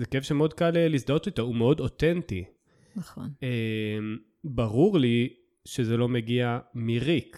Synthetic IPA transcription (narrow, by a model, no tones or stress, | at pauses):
zekefʃemeo̞d̪̚kalelisd̪otit̪aumeo̞dotenti | nɐχonem | baʁuʁli | ʃezelo̞meɡiamiʁik